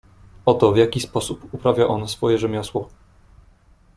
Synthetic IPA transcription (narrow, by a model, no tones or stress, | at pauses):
ɔt̪ɔvjakʲispɔsupupɾavʲjaʔɔnsfɔjɛʐɛmʲjɔswɔ